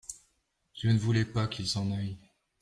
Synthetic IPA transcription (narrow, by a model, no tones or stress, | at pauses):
t̪jənəvulɛpakʲilsɑ̃naj